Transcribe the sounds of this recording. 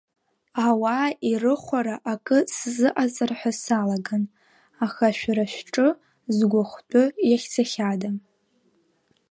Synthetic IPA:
awaːirɨχʷaɾaʔakʼɨszɨʔat͡sʼarħʷasalaɡan | aχaʃᶣɾaʃᶣʈ͡ʂʼɨ | zɡʷʊχʷtʼʊjaχʲt͡sʰaχʲadam

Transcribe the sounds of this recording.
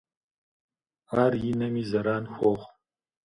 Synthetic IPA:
aːɾjinɐmizɐɾaːnxʷoːχʷ

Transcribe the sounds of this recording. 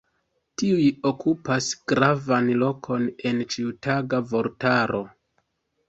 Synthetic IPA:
tiujo̞kupasɡ̥ɾavanlo̞kʰo̞ne̞nt͡ʃiutaɡavo̞ɾtaɾʔo̞

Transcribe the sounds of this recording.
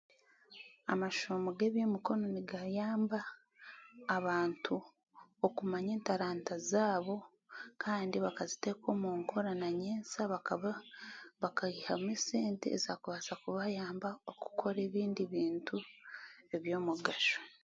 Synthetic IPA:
a̰maʃoːmoɡe̞ːβjomuko̞no̞niɡajaːmbaː | βaːntʰu | okumaɲe̞ːntaɾaːntazaːβo̞ | kʰaːndiβakazite̞ːko̞ːmuːŋkʰoɾanaɲeːnsaβaβaβakaihamwiːseːntḛːzakuβaːsakuβajaːmbaoku̥kʰo̞ɾe̞ːβiːndiβiːntʰu | e̞βjo̞ːmuɡaʃo̥

